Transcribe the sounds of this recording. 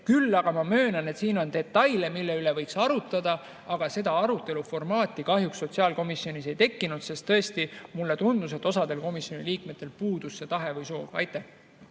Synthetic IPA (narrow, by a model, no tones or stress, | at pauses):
kylːɑɡ̥ɑmɑmø̞ːnɑne̞t̪siːno̞nt̪e̞t̪ːɑjlemilːeylevɤjksɑɾut̪ːˑɑd̪̥ɑ | ɑɡ̥ɑse̞d̪ɑɑɾut̪ːˑe̞lufo̞rmɑːt̪ːˑikɑɦjuksːo̞t̪siɑːlko̞misːjo̞nise̞jt̪e̞kːinut̪se̞st̪ːɤe̞st̪imulːe̞t̪und̪̥us̬e̞t̪ːˑo̞sɑd̪̥e̞lko̞misjo̞niliːkmet̪ːˑe̞lpuːd̪̥usːe̞t̪ɑɦe̞vɤjso̞ːvɑ̰jt̪ːˑæh